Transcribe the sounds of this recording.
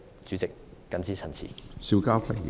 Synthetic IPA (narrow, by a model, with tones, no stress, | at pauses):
t͡ʃyː˨˥t͡sɪ˨kː | ɐ˧nt͡siː˥t͡sʰɐ˨˩nt͡sʰḭ˨˩si˧wkaː˥wkʰɐ˨˩˨